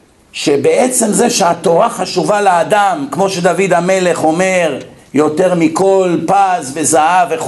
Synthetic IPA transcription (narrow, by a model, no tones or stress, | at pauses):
ʃebeet͡se̞mze̞ʃeat̪o̞ʁaχaʃuvalaːd̪amkmo̞ʃed̪avid̪ame̞le̞χo̞me̞ʁ | jo̞t̪e̞ʁmiko̞lpazve̞zaave